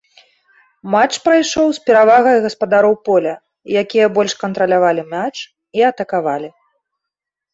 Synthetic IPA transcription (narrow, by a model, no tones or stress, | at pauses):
mat͡ʂpɾajʂɔwspʲɛɾavaɣɐjɣɐspɐd̪aɾɔwpɔlʲɐ | jakʲijɐbɔlʲʂkɐnt̪ɾɐlʲavalʲimʲat͡ʂ | iɐt̪ɐkavalʲi